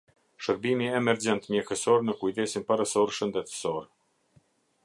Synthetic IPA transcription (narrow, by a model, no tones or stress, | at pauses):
ʃəɾbimiɛmɛɾd͡ʑɛnt̪mɛxəsɔɾnəkujd̪ɛsinpaɾəsɔɾʃənd̪ɛt̪ə̥sɔɾ